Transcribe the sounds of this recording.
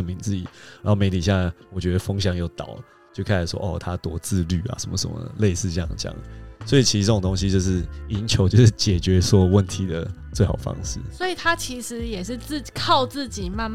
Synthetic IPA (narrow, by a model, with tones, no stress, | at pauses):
ə˥˩nmi˧˥ŋt͡sɹ̩˥˩ḭ˨˩ɻa˨˧˥nxo˥˩me˧˥ɪt̪ʰi˨˩ja˥˩˥wɔ˨˩t͡ɕɥɛ˧˥d̪ə˧fɤ˥ŋɕjɑ˥˧ŋjo˥˩ʊt̪ɑ̰˨˩˦ʊ | t͡ɕjo˥˧ʊkʰa˥˩a˨˩ʂwɔ̰˦ʔɔ̰˨t̪ʰa˥t̪wɔ˧˥t͡sɹ̩˥˧ly˥˩a̰˨˩ʂə˧˦mə̰˧ʂə̰˧˦nmə̰˧le˥˧ɪsɹ̩˥˧t͡ɕə˥˧jɑ̰˥˨ŋ˨˩t͡ɕjɑ̰˥˩ŋswɔ˧˥i˨˩t͡ɕʰi˧˥ʂ̩˧ʈ͡ʂə˥˩o˨˩ŋt̪o˥ŋɕ̬i˦t͡ɕjo˥˧ʊʂɻ̩˥˩i˧˥nt͡ɕʰjo˧˥ʊt͡ɕjo˥˧ʂɻ̩˥˩t͡ɕjɛ˨˩t͡ɕɥɛ˧˦swɔ˥˧wə˥˩nt̪ʰi˨˥d̪ə˨ | t͡swe˥˩ɪxɑ˨˩ʊfɑ̰˦˥ŋʂɻ̩˥˩sɔ˧˥i˨˩t̪ʰa˥t͡ɕʰi˧˦˥ʂɻ̩˧˦jɛ˨˩ʂɻ̩˥˧t͡s̩˥˩˨kʰɑ˥˧ʊt͡sɹ̩˥˩t͡ɕi˨˩ma˥˧